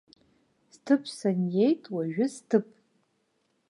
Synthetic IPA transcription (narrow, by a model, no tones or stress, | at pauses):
stʰɨpʰsanje̞jtʼwaʒᶣʊstʰɨpʼ